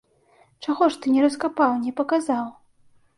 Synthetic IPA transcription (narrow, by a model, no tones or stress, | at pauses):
t͡ʂaɣɔʂt̪ɨnʲɛɾɐskapawnʲɛpɐkazaw